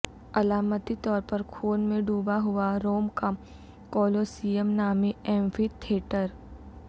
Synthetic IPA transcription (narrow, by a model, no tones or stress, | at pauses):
ɐlaːmət̪it̪ɔːɾpɐɾkʰoːnmẽɖuːbaɦʊaɾoːmka | kɔːloːsijəmnaːmiɛ̃ːmfit̪ʰeːʈəɾ